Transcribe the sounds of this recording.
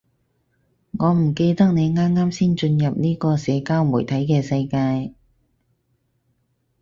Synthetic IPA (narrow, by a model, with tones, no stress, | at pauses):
ŋɔː˨˧m̩˨˩ke˧jt̪ɐ˥k̚ne˨˧jŋaː˥mŋaː˥msiː˥nt͡ʃɵ˧njɐ˨p̚niː˥kɔː˧sɛː˨˧kaː˥wmuː˨˩jt̪ʰɐ˨˥jkɛː˧sɐ˧jkaː˧j